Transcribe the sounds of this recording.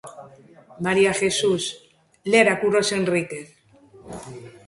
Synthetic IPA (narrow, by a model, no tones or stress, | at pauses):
maɾiaxesus | leɾakuɾosenrikeθ